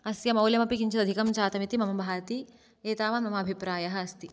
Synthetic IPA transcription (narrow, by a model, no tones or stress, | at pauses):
ɐsjɐmɐwljɐmɐpikiɲt͡ʃɐd̪ɐd̪ʱikɐmt͡ʃaːt̪ɐmit̪imɐmɐbʱaːt̪i | eːt̪aːʋaːnmɐmɐːbʱipɾaːjɐɦɐɐst̪i